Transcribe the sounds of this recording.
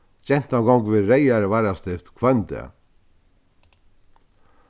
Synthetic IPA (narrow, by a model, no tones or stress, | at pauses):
t͡ʃɛn̥t̪awɡɔŋkvɪðɾejaɾvaɾast̪ɪt̪kʰvœnt̪ɪ̰